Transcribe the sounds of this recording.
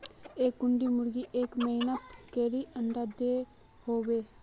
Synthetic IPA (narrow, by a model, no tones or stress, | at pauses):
eːk̚ɡʊɳɖiːmʊɾɡiːʔeːkməinət̪keːɾiːʔənd̪aːd̪eː | hoːʋeː